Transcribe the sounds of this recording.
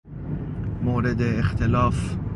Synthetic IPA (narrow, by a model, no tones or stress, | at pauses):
moːɾed̪eːxt̪ʰelɒːf